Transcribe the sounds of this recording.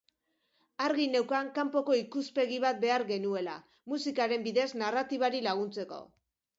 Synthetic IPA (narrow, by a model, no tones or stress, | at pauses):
aɾɣine̞wkaŋkampo̞ko̞ikuspe̞ɣiβ̞at̪̚be̞aɾɣe̞nue̞la | musikaɾe̞mbiðe̞znarat̪iβ̞aɾilaɣ̞unt͡se̞ko̞̰